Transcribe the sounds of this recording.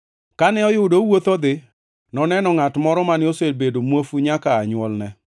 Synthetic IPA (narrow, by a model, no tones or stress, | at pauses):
kanɛɔjʊdowot̪ɔd̪ɪ | nɔnɛnɔŋatmɔɾɔmanɪoselbedomwofuɲakaːɲwɔlnɛ